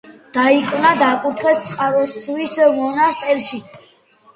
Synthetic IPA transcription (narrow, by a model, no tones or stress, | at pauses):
d̪̥aikʼvnad̪akʼuɾt̪ʰχɛst̪sʼqʼaɾɔst̪sʰwismɔnast̪ʼɛɾʃi